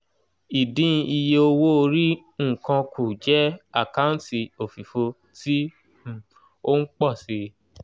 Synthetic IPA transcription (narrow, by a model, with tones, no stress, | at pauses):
i˨dĩ˦˧i˧je˧o˧wo˦o˧ɾi˦ | ŋ̩˦˨kã˧kʰu˨d͡ʒɛ˦a˦˨kã˦ti˧o˨fi˨fo˧ | tĩ˦˨ | o˦ŋ̩˦k͡pɔ˦˨si˧